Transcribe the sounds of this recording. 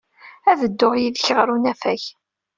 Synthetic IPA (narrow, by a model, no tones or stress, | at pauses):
æðəd̪ːoʁjiðçəʁɾunæfæç